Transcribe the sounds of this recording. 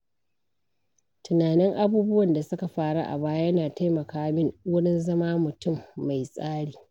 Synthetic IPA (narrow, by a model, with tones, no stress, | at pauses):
tʊ˨naː˨nɪ˦ŋʔa˦buː˦bʊ˦wɐ˨nda˨sʊ˦ka˨ɸaː˦ɽa˦ʔa̰˨baː˦ja˦naː˨ta˦jmɐ˨kaː˦mɪ˦nwʊ˦ɽɪ˦nzɐ˦maː˦mʊ˨tʊ˦˨mːa˨jsʼaː˦ɽiː˨